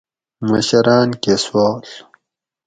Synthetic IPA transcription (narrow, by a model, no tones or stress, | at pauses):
mɐ̰ɕɐɾɑːnkeːswaːl